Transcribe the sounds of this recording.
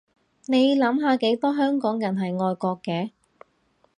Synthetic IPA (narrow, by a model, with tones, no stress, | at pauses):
ne˨˧jlɐ˨˥mɦaː˨˧ke˨˥jt̪ɔː˥ɦœː˥ŋkɔː˨˥ŋjɐ˨˩nɦɐ˨jŋɔː˧jkɔː˧kːɛː˧